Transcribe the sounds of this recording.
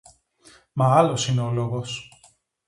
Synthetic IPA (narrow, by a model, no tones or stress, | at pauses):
mɐɐlo̞sineoloɣos